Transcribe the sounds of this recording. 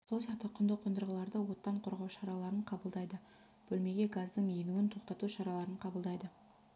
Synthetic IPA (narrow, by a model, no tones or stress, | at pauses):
solˠsɑqt̪əqʰʊnd̪əqʰːʊnd̪əɾʁəlˠɑɾd̪əwo̞t̪ːɑɴqʰoɾʁɑwʃɑɾɑlˠɑɾəɴqʰɑbəlˠd̪ɑjd̪ə | b̥ɵlme̞ɡʲe̞ɡazd̪əɴenuɡɪnt̪ʰo̞qt̪ɑt̪uʃɑɾɑlˠɑɾəɴqʰɑbəlˠd̪ɑjd̪ə